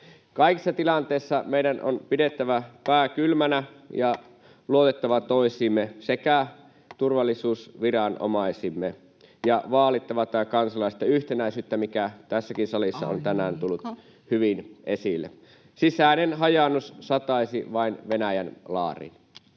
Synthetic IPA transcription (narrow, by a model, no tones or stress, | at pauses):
kɑikisːɑt̪ilɑnt̪eisːɑmeiɾæno̰npidet̪ːæʋæpæːkylmænæjɑ | luot̪et̪ːɑʋɑt̪oisiːmːesekæ | t̪urʋɑlːˑisuːsʋirɑnʔo̰mɑisimːe | jɑʋɑːlit̪ːɑʋɑt̪ːˑɑːkɑnsɑlɑˑise̥t̪jɑyht̪enæisyːt̪ːæmikæt̪æsːækinsɑlisːɑ̰o̰nt̪ænæːnt̪ulːut̪ | hyʋinʔesilːḛ | sisæˑːnenɦɑjɑnːussɑt̪ɑisiʋɑinʋenæjænlɑ̰ːrḭn